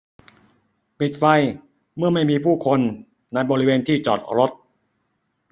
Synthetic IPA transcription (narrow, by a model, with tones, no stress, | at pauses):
pi˨˩t̪̚fa˧j | mɯ˥˩ɐma˥˩jmiː˧pʰuː˥˩kʰo˧nː | a˧jbɔː˧ɾi˦˥weː˧nt̪ʰiː˥˩t͡ɕɔ̰ː˨˩t̪̚ɾo˦˥t̪̚